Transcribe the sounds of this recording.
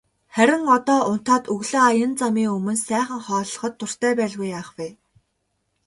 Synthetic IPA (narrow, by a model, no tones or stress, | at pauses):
χæɾʲɪ̆ŋɔt̪ɔːʔʊn̥t̪ɔːt̪ɵɣɮɘ̆ajə̆nt͡samiːŋɵmɵ̆nsæːχə̆ŋχɔːɮɞ̆χɞ̆t̪ːʊr̥t̪ʰæːpæːɮɣujaːχweː